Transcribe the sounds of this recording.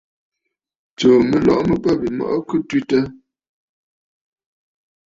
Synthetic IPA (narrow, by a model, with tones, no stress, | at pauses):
t͡ʃo˨mə˨lɔ̰˨ʔmə˨pə˦bi˨mɔ̰˨ʔkʉ˦twi˦tə˦